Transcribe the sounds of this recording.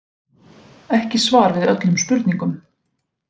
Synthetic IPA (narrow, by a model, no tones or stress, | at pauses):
ɛhcɪsvaːɾvɪðœt̪lʏmspʏɾt̪niŋkʏm